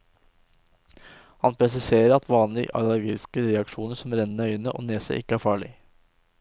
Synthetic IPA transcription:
hɑnpʰɾɛs̬ɪseːɾəɾɑt̪ʋɑːnlɪʔɑ̰ləɾɡɪskəɾɛɑkʂuːnəsɔmɾɛnːœʏənəʔo̰ːneːsə̰ʔɪ̰kːəæːɾfɑːɭɪ̰

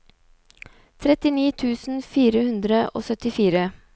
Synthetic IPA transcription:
t̪ʰɾɛt̪ɪniːt̪ʰʉːsn̩fiːɾəhʉnd̪ɾəʔo̰ːsœt̪ɪfiːɾə

